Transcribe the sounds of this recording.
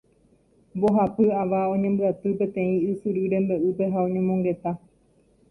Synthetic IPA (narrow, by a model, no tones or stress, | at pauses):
mbo̞ɦapɨaʋaõ̞ɲẽmbɨat̪ɨpe̞t̪ẽ̞ĩɨsɨɾɨɾẽ̞mbe̞ʔupe̞ɦaõ̞ɲẽmõŋɡe̞t̪a